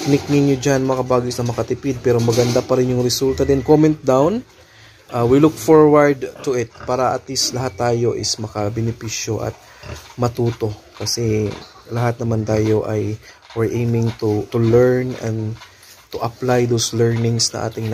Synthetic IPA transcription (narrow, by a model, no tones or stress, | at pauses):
nɪk̚nɪnjod͡ʒanmɐkɐbaːɡɪsnɐmɐkɐt̪ɪpɪd̪̚pɛːɾomɐɡɐnd̪apɐɾɪnjʊŋɾɪsult̪ɐd̪ɪnkomɛ̃nt̪̚d̪awn | ʔawilʊk̚foɹwɐɹd̪t̪ʊʔɪt̪̚paːɾɐʔɐt̪lislɐɦat̪ːaːjo̞ʔɪsmɐkɐbɛnɪpiːʃjo̞ʔɐ̰t̪̚ | mɐt̪uːt̪o̞ | kɐsɛ | lɐɦat̪̚nɐmant̪aːjo̞ʔɐj | wɪɹʔejmɪŋt̪ut̪ʊlɛɹnɛ̰nd̪ | t̪ʊʔɐplajd̪owslɛɹnɪŋsnɐ̰ŋʔa̰ːt̪ɪŋn